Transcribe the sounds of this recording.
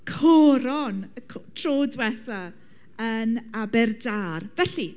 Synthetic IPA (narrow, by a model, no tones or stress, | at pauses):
kʰɔɾɔnəkʰtʰroːdwɛθa | ənabɛrdaːrvɛɬi